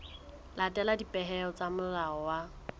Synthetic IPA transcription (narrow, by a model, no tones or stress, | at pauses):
latʼɛladipʼɛɦɛɔt͡samʊraɔwa